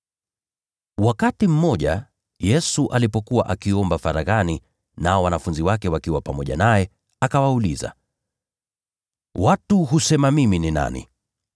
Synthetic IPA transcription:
wakatim̩mɔʄa̰ | jɛsuʔalipɔkuwaʔakiɔmbafaɾaɣani | naɔwanafunziwakɛwakiwapamɔʄa̰najɛ | akawauliza̰ | watuɦusɛmamiminina̰nḭ

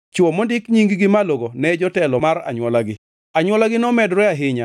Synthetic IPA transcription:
t͡ʃɔmɔndɪkɲiŋɡɡɪmaloɡonɛd͡ʒɔtɛlɔmaɾa̰ɲwɔlaɡɪ | aɲwɔlaɡɪnɔmɛdɾɛaɦɪɲa

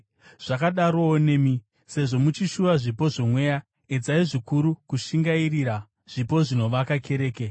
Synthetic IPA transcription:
ʐ̥akaɗaɾo̞one̞ːmi | se̞ʐo̞mut͡ʃiʃuʋaʐipo̞ʐomwe̞ja | ed͡zaiʐikuɾukuʃiŋɡairiɾa | ʐ̥ipo̞ʐino̞ʋakake̞ɾe̞ːke

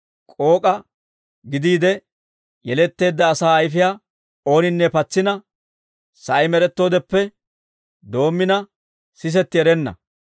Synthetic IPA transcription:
kʼo̞ːkʼɐ | ɡɪd̪iːd̪ɛ | jɛlɛt̪ːe̞ːd̪ːɐːsaːjfɪjaː | o̞ːnɪnːɛpɐt͡sːɪnɐ | sɐjmɛɾɛt̪ːo̞ːd̪ɛpːɛ | d̪o̞ːmːɪnɐ | sɪs̬ɛt̪ːɪɛɾɛnːɐ̰

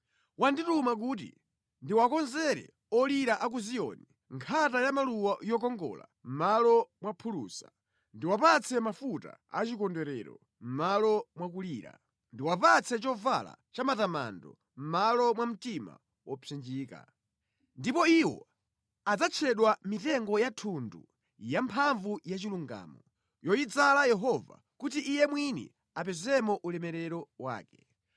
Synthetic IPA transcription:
wanditumak̬uːtḭ | ndiwakɔnzɛɾɛ̰ | ɔliɾaʔak̬uzijɔ̰ni | ŋkʰatajamaluwajɔk̬ɔŋɡɔ̰la̰m̩malɔmwapʰuluːsa | ndiwapat͡sʰɛmafuta̰at͡ʃikɔndɛɾɛ̰ɾɔ̰ | m̩malɔmwak̬uliːɾa̰ | ndiwapat͡sʰɛt͡ʃɔva̰la̰t͡ʃamatama̰ndɔ̰ | m̩malɔmwam̩tima̰ | wɔpʰɛnd͡ʒiːka̰ | ndipɔiwɔ̰ | ad͡zat͡ʃʰɛɗwamitɛŋɡɔjatʰundṵ | jampʰaɱvujat͡ʃiluŋɡa̰ːmɔ | jɔjid͡zalajɛɦɔva̰ | kutiʔːjɛmwinḭ | apɛzɛmɔʔulɛmɛɾɛɾɔwa̰ːkɛ̥

